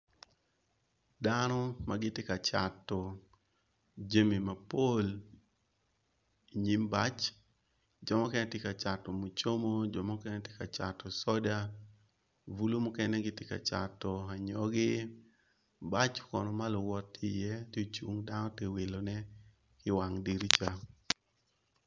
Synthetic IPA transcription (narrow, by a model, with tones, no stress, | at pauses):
danɔ˦maɡɪ˦tɪ˦ka˨t͡ʃa˨tːɔ˨ | d͡ʒe˦mi˨ma˨po˦l | i˨ɲi˦mba˦t͡ʃ | d͡ʒɔ˨mɔ˦kɛ˦nɛ˦tɪka˨t͡ʃa˨tɔ˨mo˨t͡ʃo˦mo˦d͡ʒɔ˨mɔ˦kɛnɛ˦tɪ˦ka˨t͡ʃa˨tʰɔ˨sɔ˦da˦ | vu˦lo˦mɔ˦kɛ˦nɛ˦ɡɪ˦tɪ˦ka̰˨t͡ʃa̰˨tːɔ˨a˨ɲɔ˦ɡɪ˦ | ba˦t͡ʃkɔ˨nɔ˨ma˦lɔ˨wɔ˦tːɪ˦jɛ˦te˦t͡ʃu˦ŋda˦nɔ˦te˦we˨lo˨nɛ˦ | kɪ˦wa˨ŋdi˨ɾi˦t͡ʃa˦